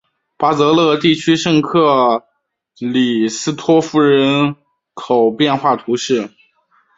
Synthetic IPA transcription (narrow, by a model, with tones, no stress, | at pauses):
pa˥t͡sɤ˧˥lɤ˥˧t̪i˥˩t͡ɕʰy˥ʂɤ˥˧ŋkʰɤ˥˩ | li˨˩sɹ̩˥t̪ʰwɔ˥fu˥˩ɻə˧˥n | kʰo˨˩ʊpjɛ˥˧nxwa˥˩t̪ʰu˧˥ʂɻ̩˥˩